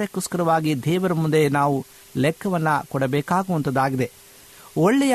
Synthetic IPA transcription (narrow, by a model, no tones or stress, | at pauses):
ɾekuskɐɾɐʋaːɡid̪ɛːʋɐɾɐmund̪enaːʋu | lɛkʰːɐʋɐnːɐkɔɽɐbɛːkaːɡuʋɐnt̪ɐd̪aːɡid̪e̞ | ɔɭːɛjɐ